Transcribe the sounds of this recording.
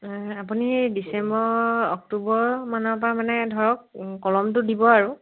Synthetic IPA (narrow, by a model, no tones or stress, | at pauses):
apunidisɛmbɔɹɔk̚tubɔmanɔp̬ɹamanɛdʱɔɹɔk̚kɔlɔmt̬ʊdibɔaɹu